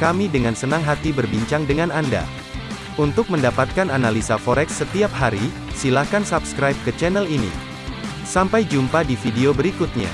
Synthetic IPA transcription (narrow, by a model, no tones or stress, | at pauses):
kamidəŋansənaŋɦat̪ibərbiɲt͡ʃaŋdəŋananda̰ | unt̪ʊk̚məndapat̪̚kananalisafoɾɛksət̪iap̚ɦaɾi | silakansapskɾajp̚kət͡ʃɛnɛlinḭ | sampajd͡ʒumpadifideobəɾikʊt̪̚ɲa̰